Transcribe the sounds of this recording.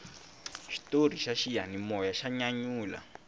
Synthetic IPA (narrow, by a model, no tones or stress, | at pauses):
ʃi̥tor̤iʃaʃijanimɔjaʃaɲaɲuːla̰